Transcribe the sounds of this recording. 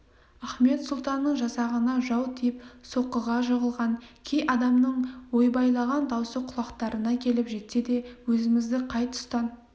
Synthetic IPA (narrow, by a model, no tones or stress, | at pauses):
æχme̞t̪sʊlˠt̪ɑnːəɴʒɑsɑʁənɑʒɑwt̪ʰijɪpso̞qːəʁɑʒəʁəlˠʁɑnkʲʰe̞jʔɑd̪ɑmnəɴwo̞jbɑjlˠɑʁɑnd̪ɑwsəqʰʊlˠɑqt̪ɑɾənɑkʲʰe̞lɪpʒe̞t̪se̞d̪e̞wɵzɪmɪzd̪ɪqʰɑjt̪ʰʊ̥st̪ɑn